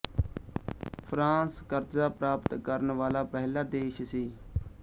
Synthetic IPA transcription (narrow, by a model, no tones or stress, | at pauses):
pʰɾãːskəɾzaːpɾaːpət̪kəɾnʋaːlaːpɛɦlaːd̪eːʃsiː